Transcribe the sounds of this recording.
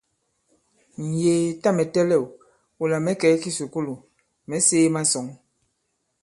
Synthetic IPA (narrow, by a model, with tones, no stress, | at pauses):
n̩˨jeː˨ta˦˨mɛ˨tɛ˦lɛ˦˨w | u˨la˨mɛ˦kɛ˨˦ki˦su˨ku˦lu˨ | mɛ˨˦seː˦ma˦sɔ˨˦ŋ